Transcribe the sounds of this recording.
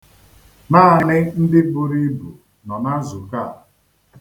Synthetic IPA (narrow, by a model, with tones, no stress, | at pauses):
naː˦˨nɪ˦n̩˦dɪ˦bʊ˦ɾi˦bu˨ | nɔ˨na˦zu˨ka˦˨